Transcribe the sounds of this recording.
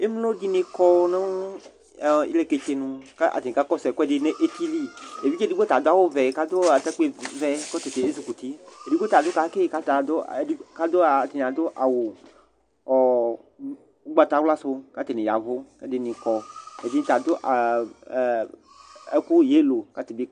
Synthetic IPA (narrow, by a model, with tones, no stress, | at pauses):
e˦m˦lo˦di˦nẽ˨kɔ˦nẽ˦w | ḭ˦le˨ke˨t͡ʃe˨˦nũ˦ka˦ʔa̰˨t̪e˨nĩ˨ka˦kɔ˦sɛ˨kɔ˦e˦ɖe˦nẽ˦ʔe˦t̪i˦li˦e˨vi˦t͡ʃe˦di˦ɡ͡bo˦t̪a˨d̪o˦a˦˨wo˦vɛ˨ka˦d̪o˦a˨t̪e˦k͡pe˦vɛ˦kɔ˦t̪e˨t̪e˨e˦zu˨ku˨t̪i˦e˨di˦ko˦t̪a˨d̪o˦ka˨˦ke˦˨ka˦t̪a˨d̪o˦˨i˦ka˦d̪o˦a˨t̪e˨ɲ˨ã˨d̪o˦ʔa˨wo˨ | ɔ˨˦ | ɡ͡ba˦t̪a˦wla˦so˦ka˦t̪e˨nẽ˨ja̰˨vo˦e˦de˨nĩ˨kɔ˦e˨vi˦t̪a˨d̪o˦ʔa˨ | e˦ku˦je˦lo˨ka˦t̪e˨be˦